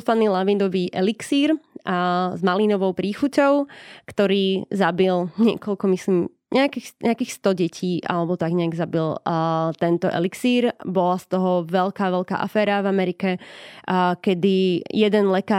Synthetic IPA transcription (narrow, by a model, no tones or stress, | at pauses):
sfaniːlaʋind̪ɔʋiːʔɛliksiːɾ | zmalinɔʋɔʊpɾiːxucɔʊkt̪ɔɾiːzabilɲɪɛ̰kɔʎkɔmislim | ɲʔɛakixɲɛakiːxst̪ɔɟɛcʰiːʔa̰lɛbɔt̪aɡɲɛaɡzabilt̪ɛnt̪ɔʔɛ̰liksiːɾbɔlast̪ɔɦɔʋɛlkaːʋɛlka̰ːʔa̰fɛːɾavamɛɾikɛ | kɛd̪ijɛd̪ɛnlɛkaː